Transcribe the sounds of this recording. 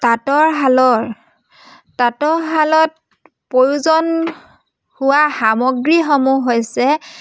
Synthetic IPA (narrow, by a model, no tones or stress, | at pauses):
tatɔɹɦalɔɹ | tatɔɹɦalɔt̚ | poɹuzɔn | hʊwaxamɔɡɹixomuɦojsɛ